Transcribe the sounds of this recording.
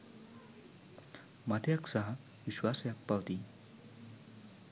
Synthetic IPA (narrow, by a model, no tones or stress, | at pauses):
mat̪ʰjaksaɦa | ʋiɕwasjappːaʋt̪iː